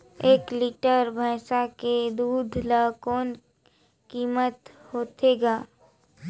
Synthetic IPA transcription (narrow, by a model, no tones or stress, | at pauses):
eːkliʈəɾbʱəːsaked̪uːd̪ʱlaːkoːn | kiːmət̪ | hoːt̪eːɡaː